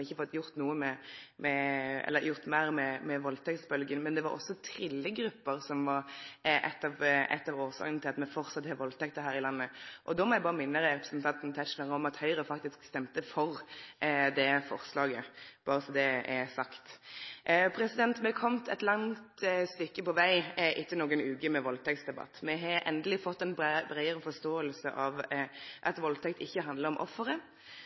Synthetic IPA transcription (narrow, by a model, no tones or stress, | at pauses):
ɪçːəfɔt̪ːjʊɾt̪nuːəmɛmʔɛɛ̰lːəɾjʊʁt̪mæɪʁmɛmɛʋɔlt̪ʰɛkt̪sbœlɡənmɛnd̪ɛʋɑ̰ɾʔɔ̰sːɔt̪ʰɾɪlːəɡɾʉpːəɾsɔmʋɑɾʔɛ̰t̪ːɑʋɛ̰t̪ːɑʋoːsɑ̰ːɡnt̪ʰɪlɑt̪mɛfɔʁsɑt̪ːhɛʋɔlt̪ʰɛk̚t̪əɦæːɾɪlɑnːəʔɔd̪ɔmɔjæɪbɑːʁəmɪnːəɾɛɛpɾəsn̩t̪ʰɑnt̪n̩t̪ʰæt̪ʃnɑʁəɔmɑt̪hœʏɾəfɑkt̪ɪskst̪ɛmt̪əfɔʁ | d̪ɛfɔ̰ʁslɑːɡəb̥ɑːɾəsɔmd̪ɛɛsɑkt̪ | pʰɾɛsɪd̪ɛnt̪mɛkʰɔmt̪ʰɛt̪lɑŋt̪st̪ʏkːəpɔʋæɪʔɪt̪ːənoːɡənʉːkəmɛʋɔlt̪ʰɛk̚t̪sd̪ɛbɑ̰t̪ːmɛɦɑʔɛ̰nd̪əlɪfɔt̪ːɛnbbɾæɪəɾəfɔst̪oːəlsə̰ʔɑʋʔɑt̪ʋɔlt̪ʰɛkt̪ɪçːəɦɑnd̪ləɾɔmʔɔ̰fːəɾə